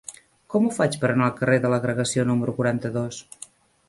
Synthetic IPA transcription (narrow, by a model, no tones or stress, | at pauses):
kɔmufat͡ʃpəɾənalˠkəreðələɣɾəɣəsionuməɾukuɾant̪əðos